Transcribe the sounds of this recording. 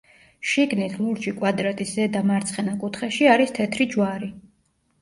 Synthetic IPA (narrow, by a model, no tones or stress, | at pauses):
ʃiɡnit̪ʰlˠuɾt͡ʃikʼwad̪ɾat̪ʼiszɛd̪amaɾt̪sʰχɛnakʼut̪ʰχɛʃiaɾist̪ʰɛt̪ʰɾid͡ʒwaɾi